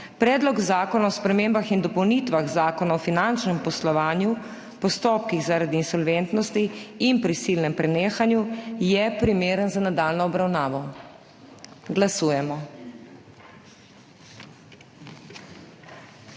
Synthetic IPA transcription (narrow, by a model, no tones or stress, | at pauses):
pɾɛːd̪lɔɡzaːkɔnaɔspɾɛmembaxind̪ɔpɔwnit̪ʋaɣzaːkɔnaɔfinant͡ʃnɛmpɔslɔʋaːnju | pɔst̪oːp̚kiɣzaɾad̪iːnsɔlʋɛnt̪nɔst̪iinpɾisilnɛmpɾɛneːxanjujɛpɾimeːɾənzanad̪aːlnɔɔbɾawnaːʋɔ | ɡlasuːjɛmɔ